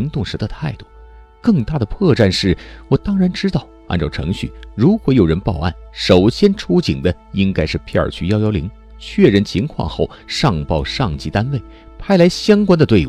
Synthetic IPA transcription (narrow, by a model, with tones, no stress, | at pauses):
i˧˥ŋt̪ʊ˥˩ŋʂɻ̩˧˥d̪ə˧t̪ʰa˥˧ɪt̪u˥˩ | kɤ˥˧ŋt̪a˥˩d̪ə˩pʰɤ˥˧ʈ͡ʂa˥˧nʂɻ̩˥˩wɔ˨˩t̪ɑ˥ŋɻa˧˥nʈ͡ʂɻ̩˥t̪ɑ˥˩ʊa̰˥˧nʈ͡ʂɑ˥˩ʊʈ͡ʂʰɤ̰˧˥ŋɕy̰˥˩ɻu˧˥kwɔ˧˥jo˨˩ɻə˧˥npɑ˥˧ʊa̰˥˩nʂo˨˩ʊɕjɛ˥nʈ͡ʂʰu˥t͡ɕi˨˩ŋd̪ə˦ | i˥ŋka˥ɪʂɻ̩˥˧pʰɛ˥˩ə̰˞˨˩t͡ɕʰy˧˥˧jɑ˥ʊjɑ˥ʊlḭ˧˥ŋ | t͡ɕʰɥɛ˥˧˩ɻə˥˩nt͡ɕʰi˧˥ŋkʰwɑ̰˥˧ŋxo˥˩ʊʂɑ˥˧ŋpɑ˥˧ʊʂɑ˥˩ŋt͡ɕi˧˥t̪a˥nwe˥˩ɪ | pʰa˥ɪla˧˥ɪɕjɑ˥ŋkwa˥nd̪ə˧t̪we˥˧ɪ˥